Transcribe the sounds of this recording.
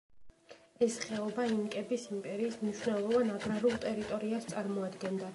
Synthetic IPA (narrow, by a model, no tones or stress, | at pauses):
ɛsχɛɔbaimkʼɛbisimpʼɛɾiːsmniʃwnɛlˠɔvanaɡɾaɾulˠt̪ʼɛɾit̪ʼɔɾiast̪sʼaɾmɔad̪ɡɛnd̪a